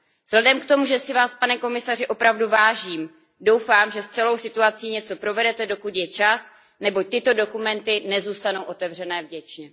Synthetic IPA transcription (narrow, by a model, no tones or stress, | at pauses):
z̥ɦlɛdɛmkt̪o̞muʒɛsɪvaːspanɛko̞mɪsar̝ɪʔo̞pɾavduvaːʒiːm | do̞wfaːmʒɛst͡sɛlo̞wsɪt̪uat͡siːɲɛt͡so̞pɾo̞vɛdɛt̪ɛdo̞kut̪jɛt͡ʃas | nɛboc̚t̪ɪt̪o̞do̞kumɛnt̪ɪnɛzuːst̪anowʔo̞t̪ɛvr̝ɛnɛːvɟɛt͡ʃɲɛ